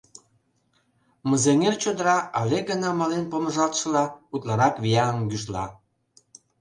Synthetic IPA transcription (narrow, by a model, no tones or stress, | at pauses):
mə̆zeŋert͡ɕod̪əɾɑɑlʲeɡənɑmɑlenpoməʒɑlt̪ʃə̆lɑut̪lɑɾɑkβijɑəmɡyʃlɑ̰